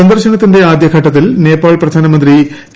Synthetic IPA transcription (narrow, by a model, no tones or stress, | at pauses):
ɐnd̪ɐrɕɐɳɐt̪ːinde̞aːd̪jɐɡʰʱɐʈːɐt̪̬ːilne̞ːpaːɭprɐd̪ʱaːnɐmɐnd̪ri